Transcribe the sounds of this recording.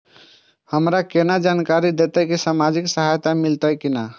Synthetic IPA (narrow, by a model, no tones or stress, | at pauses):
həmɾakenad͡ʒankaɾid̪et̪əkisamad͡ʒiksəɦajt̪amilt̪əjkina